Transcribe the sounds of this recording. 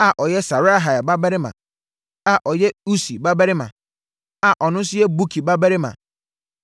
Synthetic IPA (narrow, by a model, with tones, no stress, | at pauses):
a˨ʔɔ˨jɛ˦sa˨ɾa˦ɦa˨a˨ba˦ba˦ɾɪ˦mã̰˨ | a˨ʔɔ˨jɛ˦u˦si˨ba˦ba˦ɾɪ˦mã̰˨ | a˨ʔɔ˨nʊ̃˦sʊ˦ɛ˦bu˦kʰi˨ba˦ba˦ɾɪ˦mã̰˨